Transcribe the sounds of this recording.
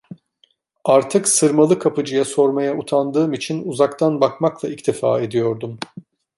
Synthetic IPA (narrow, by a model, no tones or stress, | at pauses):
aɾt̪ʰɯksɯɾmalˠɯkʰapɯd͡ʒɯjaso̞ɾmajaut̪ʰand̪ɯːmit͡ʃʰinuzakt̪ʰanbakmaklˠaict̪ʰifa̰ːe̞d̪ijo̞ɾd̪um